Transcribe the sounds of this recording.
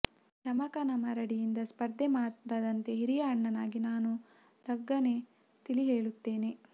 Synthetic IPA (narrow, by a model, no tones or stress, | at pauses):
ʃɐmɐkɐnɐmɐɾɐɽijind̪ɐspɐɾd̪ʱːemaːt̪ɾɐd̪ɐnt̪e̞ɦiɾijɐːɳːɐnaːɡinaːnu | d̪ɐɡːɐne̞ | t̪iliɦeːɭut̪ːe̞ːne